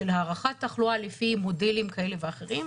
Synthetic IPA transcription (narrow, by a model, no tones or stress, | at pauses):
elhaːʁaχat̪ːaχlualefimo̞delimkae̞leveaχe̞ʁim